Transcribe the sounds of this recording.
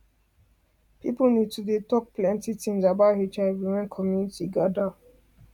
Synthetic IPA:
pipulnid̚tudetɔk̚plɛ̃ntitĩŋzabahet͡ʃãwimãnkʰɔmjunitiɡada

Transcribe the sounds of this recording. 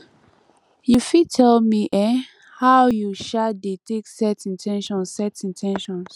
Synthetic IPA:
jufitʰɛlmiʔɛ | hawjuʃadeteksɛtĩntʰɛ̃nʃɔ̃nsɛtĩntʰɛ̃nʃɔ̃ns

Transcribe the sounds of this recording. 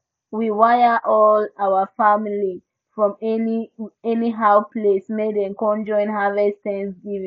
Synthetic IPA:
wiwajəʔɔlawəfamili | fɹɔ̃mɛniɛniɦaʊpʰlesmedɛ̃nkɔ̃nd͡ʒɔ̃ɪ̃nɦavɛstɛ̃nsɡivĩ

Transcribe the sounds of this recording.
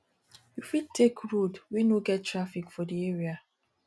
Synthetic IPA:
ufidtʰːekɹodwinoɡɛttːɾafikfɔdieɹia

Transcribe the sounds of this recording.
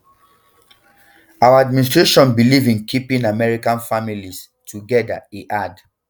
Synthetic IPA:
awaadminis̬tɹeʃɔ̃nbilivĩnkʰipĩnamɛɹikãnfamilis | tʰuɡɛda̰eʔad

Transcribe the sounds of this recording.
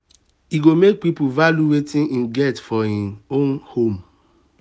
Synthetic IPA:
hiɡomek̚pipuvaljuwetĩnĩnɡɛtfɔhiõnhom

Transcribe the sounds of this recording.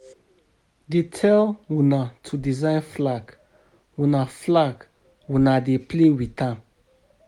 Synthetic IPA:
detʰɛlwunatʰudizãɪ̃nflaɡ | wũnaflaɡ | wũnadeplewitã

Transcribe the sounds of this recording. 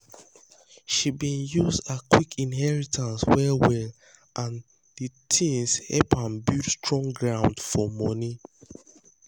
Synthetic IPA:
ʃibĩnjuzakwikʰĩnɦɛɹitʰãnswɛwɛl | ʔãn | ditʰĩnshɛ̰pãmbidstɹɔ̃ŋɡɹãʊ̃ndfɔmɔni

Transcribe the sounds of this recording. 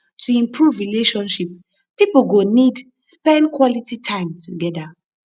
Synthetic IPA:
tʰuĩmpʰɹuvɹileʃɔ̃nʃip̚ | pipl̩ɡonid | spɛ̃ndkʰwɔlititʰãɪ̃mtʰuɡɛda

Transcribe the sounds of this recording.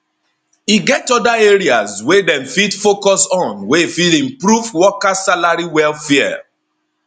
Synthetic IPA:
iɡɛtɔdaeɹiaswedɛ̃mfidfokɔsɔ̃nwefilĩmpɹuvwɔkasalaɹiwɛlfɛɛ̰

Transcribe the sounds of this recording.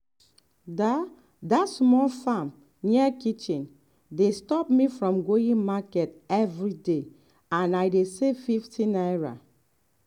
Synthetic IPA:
da | datsmɔlfãm | niɛkit͡ʃĩn | destɔpmifɹɔ̃mɡoĩŋmakɛtɛvɹide | ãnajdesefiftʰĩnajɹa̰

